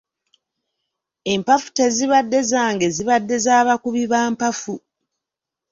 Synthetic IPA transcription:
e̞mpafu̥te̞ziβadːe̞zaːŋɡe̞ziβadːe̞zaːβakuβiβaːmpafu

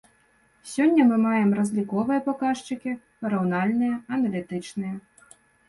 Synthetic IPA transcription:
sʲɔnʲːɐmɨmajɛmrɐzʲlʲikɔvɨjɐpakaʂt͡ʂɨkʲi | ɾɐwnalʲnɨjɐɐnɐlʲit̪ɨt͡ʂnɨjɐ

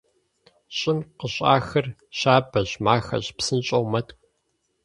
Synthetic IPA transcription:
ɕʼɪmqəɕʼa̰ːxɐrɕaːbɐʑmaːxɐ̰ɕpsɨnɕʼowmɐtkʷʼ

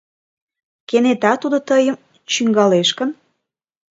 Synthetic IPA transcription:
kenet̪ɑt̪ud̪ot̪əjəm | t͡ɕyŋɡɑleʃkən

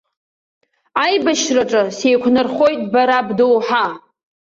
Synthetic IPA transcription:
ajbaʃraʈ͡ʂʼɨsejkʷʰnɨrχo̞jtʼbaɾabdowħa

